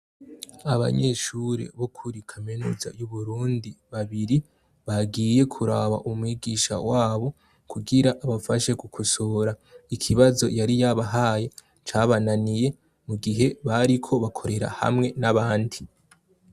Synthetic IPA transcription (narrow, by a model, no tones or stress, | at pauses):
aβa̰ɲe̞ʃuɾḛβokʰuɾikʰamenuːza̰juβuɾuːndiβaβiɾi | βaɡiːje̞kʰuɾaβaʔumwiɡiːʃa̰waːβo̞ | kuɡiɾaʔaβafaʃe̞kukʰusoɾaikʰiβazo̞̰jaɾijaβaɦaːje̞ | t͡ʃaβananije̞ | muɡiɦe̞βaɾikʰo̞βakʰo̞ɾe̞ɾa̰ha̰mŋe̞naβaːndi